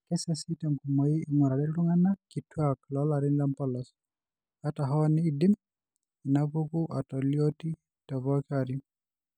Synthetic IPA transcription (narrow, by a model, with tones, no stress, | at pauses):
kɛ˦sɛ˦si˦tɛ˨mku˨mɔ˨iː˦˨ŋɔ˨ɾa˨ɾɛ˦lu˦ŋa˦nakitwaklɔla˨ɾɪ˦nla˦mpɔlɔ˨s | ata˨ɦɔ˦nɪ˦dɪ˦m | i˨navu˦ku˦ʔa˨tɔ˨ljo˦ti˦ | tɔ˨vɔkaɾi